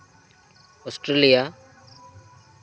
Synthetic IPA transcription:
osʈɾelijaː

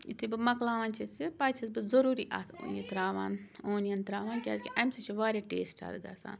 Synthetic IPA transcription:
ḭt̪ʰibɨmɐklaːʋaːnt͡ʃʰit͡sipaːt͡ʃʰisbɨzɐɾuːɾiːʔa̰t̪ʰːnit̪ɾaːʋaːnoːnijɐnt̪ɾaːʋaːnkʲaskʲiʔɐmsɐt͡ʃʰiʋaːɾʲeʈḛːsʈʰa̰ːd̪ɡa̰ːsã̰ːn

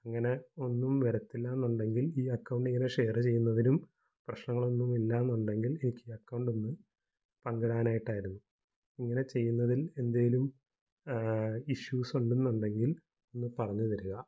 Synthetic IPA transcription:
ɐŋːɐne̞o̞nːumʋeɾɐt̪ːilːaːnːuɳɖe̞ŋɡiliːɐkːɐwɳɖiŋːɐneʂe̞ːrɨt͡ɕe̞jːunːɐðinum | prɐɕnɐŋːɐɭo̞nːumilːaːenːuɳɖe̞ŋɡile̞nikʲːiːɐkːɐwɳɖonːɨ | pɐŋɡɐɽaːnaːjiʈːaːjiɾunːu | iŋːɐne̞t͡ɕe̞jːunːɐðile̞nd̪aːjilum | iɕuːsoɳɖunːuɳɖe̞ŋɡil | onːɨpɐrɐɲːuðɐɾuɣɐ

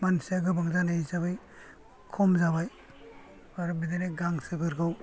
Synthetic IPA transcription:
mansijaɡɯbaŋzanaizaβaj | kʰɔmzaβaj | aɾbidaneɡaŋsɯbɯɾɡaw

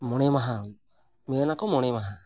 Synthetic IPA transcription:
mɔɽ̃ɛmaɦa | miɛnakɔmɔɽ̃ɛmaɦa

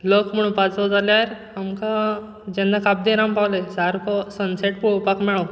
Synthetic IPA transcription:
ləkm̤əɽ̃ũnpat͡sɔd͡zaljaɾ | amkã | d͡ʑɛnd̪akab̚d̪iɾampawləjsaɾkʰɔsənseʈ̚puɭpakmɛɭo

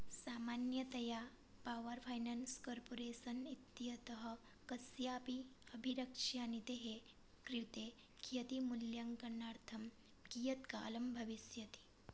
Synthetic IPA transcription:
saːmanjɐt̪ɐja | paːʋɐɾfʰajnanskoːɾpoɾeːsɐnit̪ːijɐt̪ɐɦɐ | kɐsjaːpiɐbʱiɾɐkʂjaːnit̪eɦe | kɾit̪e | kʰijɐt̪imuljɐŋkɐnːaːɾt̪ʰɐm | kijɐt̪ka̰ːlɐmbʱɐʋisjɐt̪i̥

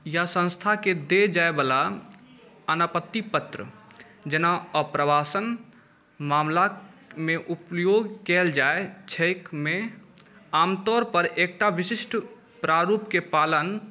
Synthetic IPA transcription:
jasə̃nst̪ʰaked̪ed͡ʒaebala | ənapət̪ːipət̪ɾə̰ | d͡ʒenaəpɾəbasən | mamlameʔupjoɡkɛld͡ʒaet͡ʃʰəjkme | aːmt̪ɔɾpəɾek̚ʈaʋisisʈʰ | pɾaɾupkepalən

